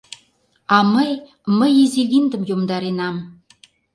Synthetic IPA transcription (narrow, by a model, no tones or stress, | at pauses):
ɑməj | məjiziɣind̪ə̆mjomd̪ɑɾenɑm